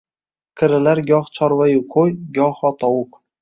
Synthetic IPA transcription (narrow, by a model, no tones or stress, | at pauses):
kʲʰɪɾɪlaɾɡʲɒχt͡ʃʰɒɾvajʊqʰojɡʲɒχɒt̪ʰɒwʊk